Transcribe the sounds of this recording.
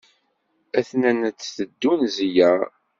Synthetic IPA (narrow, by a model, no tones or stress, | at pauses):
æθnænət͡sːθəd̪ːunzijæɾ